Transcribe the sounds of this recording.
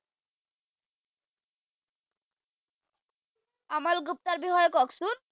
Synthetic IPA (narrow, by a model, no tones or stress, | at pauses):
amalɡup̚t̪aɾbiɦɔjɔkɔksun